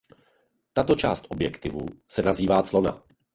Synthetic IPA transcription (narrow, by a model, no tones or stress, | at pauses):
t̪at̪o̞t͡ʃa̰ːst̪ʔobjɛkt̪ɪvṵsɛnaziːvaːt͡slo̞na̰